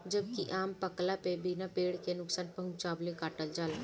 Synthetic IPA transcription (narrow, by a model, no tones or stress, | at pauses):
d͡ʒəb̚kiʔaːmpəklapebinapeːɽkenʊksaːnpəɦʊmt͡ʃaːblekaːʈəld͡ʒaːl